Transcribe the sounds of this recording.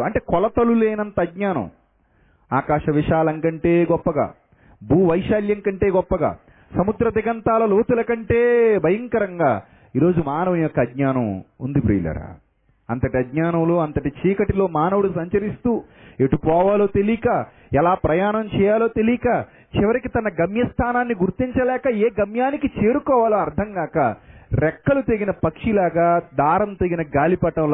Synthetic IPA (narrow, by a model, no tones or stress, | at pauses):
ɐɳʈeːkɔlɐt̪ɐluleːnɐnt̪ɐɐdɲaːnɐ̰m | aːkaːʂɐʋiʂaːlɐŋkɐɳʈe̞ːɡɔpːɐɡa̰ː | buːʋɐjʃaːljɐŋkɐɳʈe̞ːɡɔpːɐɡa̰ː | sɐmud̪ɾɐd̪iɡɐnt̪aːlɐloːt̪ulɐkɐɳʈe̞ːbɐjɐŋkɐɾɐŋɡaː | iːɾo̞ːd͡ʒumaːnɐʋɐnijɔkːɐdɲaːnɐmṵnd̪ipɾḭjlɐ̰ɾa̰ | ɐ̰nt̪ɐʈiɐdɲaːnɐmloːɐnt̪ɐʈit͡ʃiːkɐʈilo̞ːmaːnɐʋuɽusɐɲt͡ʃɐɾist̪uː | eʈupɔːʋaːlo̞ːt̪elikaː | ɛlaːpɾɐjaːnɐmt͡ʃɛːjaːlo̞ːt̪elikaː | t͡ʃiʋɐɾikit̪ɐnɐɡɐmjɐst̪ʰaːnaːnːiɡuɾt̪iɲt͡ʃɐlɛːkɐeːɡɐmjaːnikit͡ʃe̞ːɾukɔːʋaːlɐɐɾd̪ʱɐŋɡaːkɐɾɛkːɐlut̪eɡinɐpɐkʂilaːɡaːd̪aːɾɐmt̪eɡinɐɡaːlipɐʈɐwl